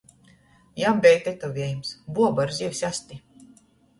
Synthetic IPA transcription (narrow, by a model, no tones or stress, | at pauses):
jambʲɛjt̪et̪ɔvʲɛjmsbuɔbaɾziwsʲasʲt̪ʲi